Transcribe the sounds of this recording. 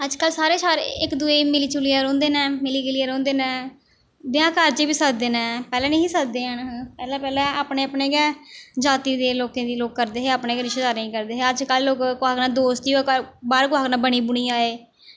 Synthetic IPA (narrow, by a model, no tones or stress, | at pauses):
əd͡ʒkəlsaːɾeːsaːɾ̰ɪkd̪uːeːmɪliːt͡ʃʊliːaːɾõːnd̪eːnɛːmɪliːkɪliːaːɾõːnd̪eːnɛ̃ː | b̪ɪãːkəɾd͡ʒeːbiːsəkd̪eːnɛ̃ːpɛːlɛ̃ːnə̃ĩːsəkd̪eːɦənpɛːlɛːpɛːlɛ̃ːaːpɳeːəpɳeːɡɛːd͡ʒaːt̪iːd̪eːloːkẽːd̪iːloːkːəɾd̪eːɦeːaːpneːɡɾɪʃed̪aːɾeĩːkəɾd̪eːɦeːəd͡ʒkəlːoːkkaːknaːd̪oːst̪iːkəɾbaːɾkoaːknaːbəɽ̃iːbʊɽ̃iːaːeː